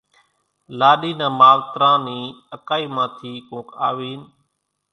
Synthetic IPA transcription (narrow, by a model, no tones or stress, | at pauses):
laːɗiːnãːmaːʋt̪ɾãːniːəkaːiːmãːt̪ʰiːkõːka̰ːʋiːn